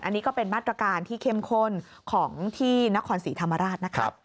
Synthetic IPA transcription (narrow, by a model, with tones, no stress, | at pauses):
ʔa˧nːiː˦˥kɔː˥˩pe˧nmaː˥˩t̪ːɾa˧kaː˧nt̪ʰiː˥˩kʰe˦˥˩mkʰo˥˩n | kʰɔː˩˦ŋt̪ʰiː˥˩na˦˥kʰɔː˧nsiː˩˦t̪ʰa˧mːa˧ɾaː˥˩t̪̚na˦˥kʰa̰˦p̚